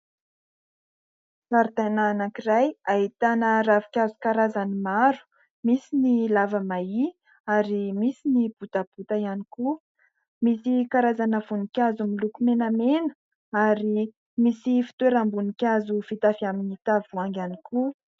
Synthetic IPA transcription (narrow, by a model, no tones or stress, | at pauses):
saɾt̪ananakirajaɦit̪anəravi̥kʲazukaɾazanimaɾu̥ | misinilavəmai | aɾimisinib̥ut̪ab̥ut̪ajaniku | misikaɾazanəvunikʲazumilukumenamenə̥ | aɾi | misifi̥t̪weɾambunikʲazufit̪afiaminit̪avuaŋɡʲaniku